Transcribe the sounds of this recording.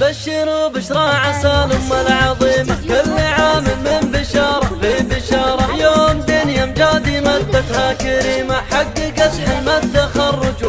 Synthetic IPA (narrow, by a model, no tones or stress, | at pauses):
baʃːɪɾuːbɪʃɾˤɑːʕasaːlʊmːalʕɑðˤiːmakʊlːaʕaːmɪlmɪnbɪʃɑːɾˤɑbɪnbɪʃɑːɾˤɑjoːmt̪anjamd͡ʒaːd̪imad̪ːat̪hakaɾiːmaħaɡːɪɡasħɪlmad̪ːaxɑrˤːɑd͡ʒ